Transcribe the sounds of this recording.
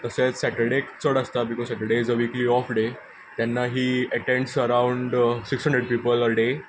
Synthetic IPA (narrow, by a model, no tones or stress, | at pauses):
t̪əsesɛʈəɖekt͡səɽəst̪abikɔzsɛʈəɖeizəʋikliɔfɖe | t̪ɛ̃nːaɦiːəʈẽɳɖsəɾãwɳɖsikshɦə̃ɳɖɾeɖ̚piːpələɖe